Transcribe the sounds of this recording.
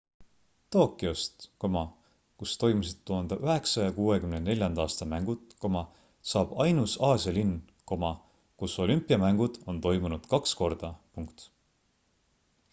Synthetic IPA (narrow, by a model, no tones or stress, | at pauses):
t̪o̞ːkːˑiost̪ko̞mɑ | kust̪o̞jmusid̪̥t̪ːuɦɑnd̪̥ɑʔyɦe̞ksɑjɑkuːe̞kymnene̞lʲjɑnd̪̥ɑːst̪ɑmæŋɡ̥ut̪ko̞mɑ | sɑːb̥ɑjnusɑːsʲjɑlinː | ko̞mɑ | kuso̞lʲympːˑiɑmæŋɡ̥ud̪̥o̞nt̪o̞jmunud̪̥kɑksko̞rd̪̥ɑpuŋkt̪